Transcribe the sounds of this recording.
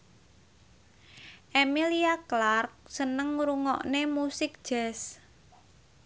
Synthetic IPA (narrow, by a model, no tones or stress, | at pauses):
ʔemiliaklark̚sənəŋɾuŋɔ̰ʔnemusɪk̚d̥ʒ̥ɛs